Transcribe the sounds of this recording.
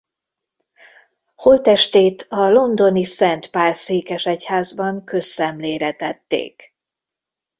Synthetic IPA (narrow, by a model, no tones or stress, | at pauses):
ho̞lt̪ɛʃt̪eːt̪ʰɒlo̞nd̪o̞nisɛnt̪paːrseːkɛʃɛchaːzbɒŋkø̞sːɛmleːɾɛt̪ɛt̪ːḛːk